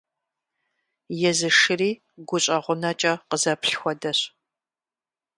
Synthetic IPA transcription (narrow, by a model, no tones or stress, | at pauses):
jɛzɨʂɨriː | ɡʷʊɕʼɐʁʷʊnɐt͡ʃʼɐqəzɐpʰɬxʷɔdɐɕ